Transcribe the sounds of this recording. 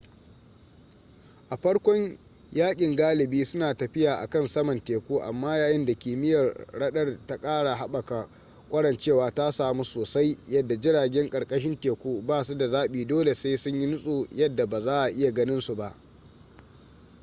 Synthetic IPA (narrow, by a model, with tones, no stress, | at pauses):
ʔa˨ɸɐ˦ɽkʷɔ˦ɲ | jaː˦kʲʼɪ˨ŋɡaː˦lɪ˨biː˦sʊ˦naː˨tɐ˨ɸɪ˦jaː˨ʔa̰˨kɐ˦nsɐ˦mɐ˨nteː˨kʷuː˦ʔa̰˨mːaː˦jaː˨jɪ˦nda˨kʲiː˨mɪ˦jɐ˨rɽɐ˦ɗɐ˦rta˦kʼaː˦ɽa˨ɦa˦ɓɐ˨ka˨ | kʷʼɐ˦ɽɐ˨nt͡ʃeː˦˨waː˨ta˦saː˨mu˦soː˨sa˦jjɐ˦dːa˨d͡ʒɪ˦ɽaː˨ɡʲɛ˦ŋkʼɐ˨ɽkʼɐ˦ʃ̬ɪ˦nteː˨kʷuː˦baː˦˨su˦da˨zaː˦ɓiː˨doː˦le˨seː˦sʊ˦ɲji˦nʊ˦sʼuː˨jɐ˦dːa˨baː˨zaː˦ʔa˨ʔɪ˦ja˨ɡɐ˦nɪ˦nsu˨ba˨ʔ